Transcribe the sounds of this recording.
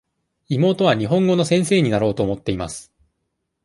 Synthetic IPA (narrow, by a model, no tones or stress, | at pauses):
imo̞ːt̪o̞βaɲ̟iɦõ̞ŋɡo̞no̞sẽ̞ɰ̃se̞ːɲ̟inaɾo̞ːt̪o̞ːmo̞t̪ːe̞ima̰sɨ̥